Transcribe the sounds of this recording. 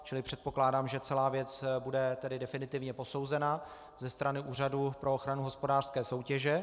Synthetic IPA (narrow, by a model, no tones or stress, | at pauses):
t͡ʃɪlɪpr̝̥ɛt̪̚po̞klaːdaːmʒɛt͡sɛlaːvjɛt͡sbudɛt̪ɛdɪdɛfɪnɪt̪ɪvɲɛpo̞so̞wzɛna | zɛst̪ɾanɪʔuːradupɾʔo̞oxɾanuɦospo̞daːr̥skɛːso̞wcɛʒɛ